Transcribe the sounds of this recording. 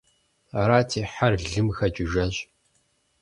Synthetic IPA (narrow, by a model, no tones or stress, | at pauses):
aɾaːtʰiːħarɮɮɨmxɐt͡ʃʼɪʒɐɕ